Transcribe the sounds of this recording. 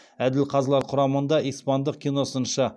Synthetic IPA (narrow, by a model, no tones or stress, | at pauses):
æd̪ɪlqʰɑzlˠɑɾqʰʊɾɑmənd̪ɑʔijspɑnd̪əq̚kʲʰijno̞sənʃɑ